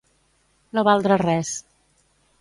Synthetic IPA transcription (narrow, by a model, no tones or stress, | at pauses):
noβalˠd̪ɾərɛs